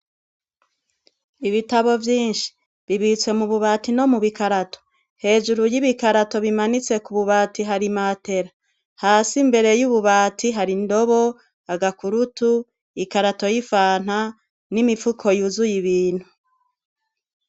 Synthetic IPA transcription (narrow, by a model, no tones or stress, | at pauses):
iβitaβo̞vjiːnʃi̥ | βiβit͡swe̞muβuβatino̞muβikaɾato̞̥ | he̞ːd͡ʒuɾujiβikaɾato̞βimanit͡se̞kuβuβaːtiɦaɾimate̞ɾa | haːsimbe̞ɾe̞juβuβaːtʰiɦaɾindo̞βo̞ | aɡakuɾutu | ikaɾato̞jifaːn̥ha | nimifukʰo̞juzujiβiːn̥hu